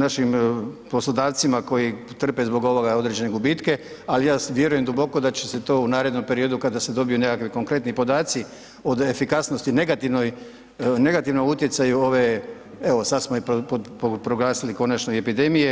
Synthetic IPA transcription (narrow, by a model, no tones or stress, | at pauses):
naʃimpo̞slˠod̪aːʋt̪simako̞ji | t̪r̩pe̞zbo̞ɡo̞ʋo̞ɡao̞d̪ɾed͡ʒe̞neɡubiːt̪ke̞ | alijaːʋje̞ɾuje̞md̪ubo̞ko̞d̪at͡ɕe̞set̪o̞ːunaːɾe̞d̪no̞mpe̞ɾijo̞d̪ukad̪ase̞d̪o̞bijune̞kakʋiko̞ŋkɾe̞t̪nipo̞d̪aːt̪si | o̞d̪e̞fikasno̞st̪ine̞ɡat̪iʋnoj | ne̞ɡat̪iʋnout̪jesajuo̞ʋe̞ | e̞ʋo̞sad̪smoipopopopɾo̞ɡlˠaːsiliko̞nat͡ʃnoiepid̪e̞mije